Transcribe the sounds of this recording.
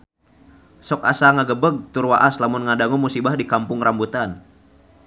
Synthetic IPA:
sɔka̰saŋaɡəbəɡ̚t̪urwaʔaslamʊnŋadaŋumusibahdikampʊŋɾambut̪an

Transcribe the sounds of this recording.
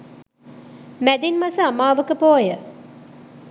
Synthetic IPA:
mæd̪inmasəamaːʋəkəpoːjə

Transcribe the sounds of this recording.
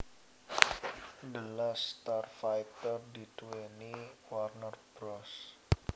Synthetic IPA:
dəlast̪arfajt̪ərdit̪weniwarnərb̥ɾɔs

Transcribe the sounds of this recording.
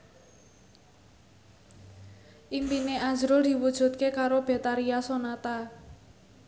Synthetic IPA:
ʔimpineʔazɾʊld̪̥i̤wud̥ʒ̥ṳt̪̚kekaɾob̥e̤t̪aɾiasonat̪a

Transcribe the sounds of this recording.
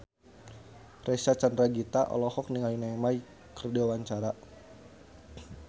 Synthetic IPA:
rɛsat͡ʃandɾaɡit̪aʔɔ̰lɔhɔk̚niŋajunamai | kərdiwawaɲt͡ʃaɾa

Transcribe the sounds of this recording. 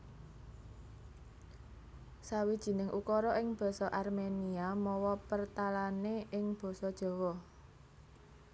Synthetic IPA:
sawid̥ʒ̥i̤nɪŋʔukɔɾɔʔɪŋb̥ɔ̤sɔʔarmeniamɔwɔpərt̪alaneʔɪŋb̥ɔ̤sɔd̥ʒ̥ɔ̤wɔ

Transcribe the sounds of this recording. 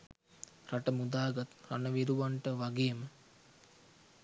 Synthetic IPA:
raʈəmud̪aːɡat̪ra̰nəʋiɾuʋaɳʈəʋaɡeːmə

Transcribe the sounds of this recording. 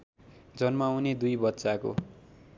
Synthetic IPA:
d͡zʌnmawned̪ujbʌt̪ːsako̰

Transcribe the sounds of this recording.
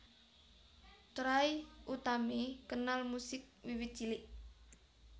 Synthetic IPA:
t̪ɾajut̪amekənalmusɪk̚wiwɪt̪̚t͡ʃilɪʔ

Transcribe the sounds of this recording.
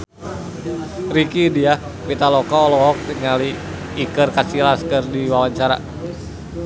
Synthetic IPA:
rikidia | pit̪alɔkɔːlɔɦɔk̚tiŋaliː | kərkasilaskərdiwawaɲt͡ʃaɾa̰

